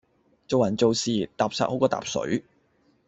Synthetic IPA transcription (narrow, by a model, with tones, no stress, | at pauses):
t͡so˨wmɐ˨˩nt͡so˨wsiː˨t̪aː˨p̚sa̰ː˧k̚ho˨˥kɔː˧t̪a̰ː˨p̚sɵ̰˨˥ɥ